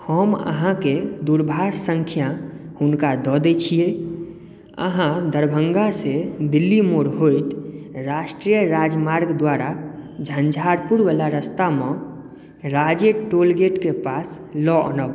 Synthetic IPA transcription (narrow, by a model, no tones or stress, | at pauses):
həmə̰ɦãked̪uɾbʱadsəŋkʰijahunkad̪ɔd̪ɛt͡ʃʰije | ə̰ɦãd̪əɾbʱəŋɡased̪ilːimoɾɦojt̪ɾaʃʈɾijəɾad͡ʒmaɾɡd̪waɾad͡ʒʱənd͡ʒʱaɾpuɾʋelaɾəst̪amẽ | ɾad͡ʒeʈolɡeʈkepas | lɔʔə̰nəb